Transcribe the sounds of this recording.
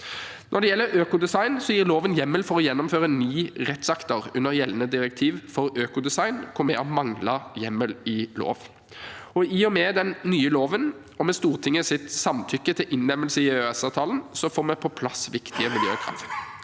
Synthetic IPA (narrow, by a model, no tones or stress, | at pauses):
nʔɔd̪ɛjɛlːəɾøːkʊd̪ɛsɑɪnsɔjiːʁloːʋənjɛmːəlfɔʁɔjɛnːʊmføːʁəɛnːyːʁɛt̪sɑkt̪ɔʁʉnːəɾjɛlnəd̪ɪɾək̚t̪ʰiːʋfɔɾøːkʊd̪ɛsɑɪnkʰʊmɛɔmɑŋlɑjɛmːəlɪlo̰ːʋ | ɔiːɔmɛːd̪ɛnːyːəloːʋən | ɔmɛst̪uːʁt̪ʰɪŋːəsɪt̪sɑmt̪ʰʏkːət̪ʰɪlʔɪnːɛmːəlsəɪøːɛsɑːʋt̪ʰɑːln̩sɔfoːmɛpʰɔpʰlɑsʋɪkt̪ɪəmɪljø̰ːkʰɾɑ̰ʋt̪